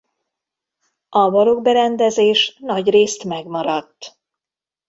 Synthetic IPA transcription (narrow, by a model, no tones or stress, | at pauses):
ʔɒvɒɾoɡbɛɾɛnd̪ɛzeːʃnɒɟreːst̪mɛɡmɒɾɒt̪ː